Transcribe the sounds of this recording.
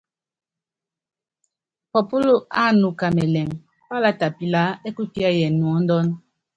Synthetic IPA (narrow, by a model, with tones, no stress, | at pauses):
pɔ˨pu˦lu˦a˦˨nu˨ka˨mɛ˨lɛ˨ŋ | pa˦la˦ta˨pi˨la˦e˦ku˦ki˦a˦jɛ˨nwɔ˨˦n˦dɔ˦n